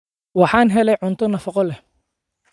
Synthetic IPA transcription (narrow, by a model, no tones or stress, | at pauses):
wɑħɑːnɦɛlɛjʕʊnt̪ʰɔnɐfɑqɔlɛ